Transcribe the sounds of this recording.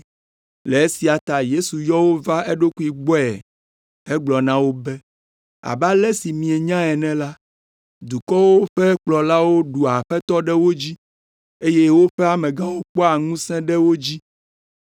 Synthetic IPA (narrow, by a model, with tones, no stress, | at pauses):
le˨e˦si˨a˨t̪a˨je˦su˨jɔ˦wo˦va˦e˦ɖo˦ku˦i˨ɡ͡bɔ˦ɛ̰˨ | ɛ˦ɡ͡blɔ˨nã˦wo˦bɛ˦ | a̰˨ba˦lɛ˦si˨mĩ˨ɛ˨ɲã˦ɛ˨nɛ̃˨la˦ | d̪u˨kɔ˦wo˦ɸɛ˦k͡plɔ˨la˦wo˦ɖu˨a˨ɸɛ˦t̪ɔ˦ɖɛ˦wo˦d͡ʑi˦ | e˦je˦wo˦ɸɛ˦a˨mɛ̃˨ɡã˦wo˦k͡pɔ˦a˨ŋũ˦sɛ̃˦ɖɛ˦wo˦d͡ʑi˦